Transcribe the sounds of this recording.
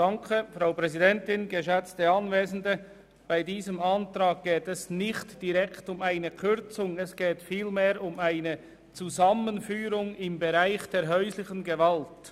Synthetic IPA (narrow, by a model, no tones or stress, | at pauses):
d̥aŋkʰəfɾaʊpɾɛzidɛntɪnɡəʃɛt͡stəɑnveːzn̩də | b̥aɪdiːzəmɑntɾaːɡ̚ɡ̥eːtɛsnɪçtd̥iʁɛkʰtʊmaɪnəkʰʏɾt͡sʊŋɛsɡ̥eːtfiːlmeːɾʊmaɪnə | t͡suzɑmənfyːɾʊŋɪmbəʁaɪçd̥eːɐɦœʏslɪçənɡəvalt